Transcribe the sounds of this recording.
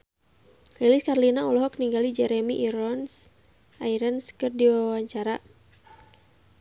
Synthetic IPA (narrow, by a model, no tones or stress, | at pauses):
liliskarlinaɔlɔɦɔkniŋɡalid͡ʒɛɾɛmiʔːɾɔns | aiɾanskərdiwawaɲt͡ʃaɾa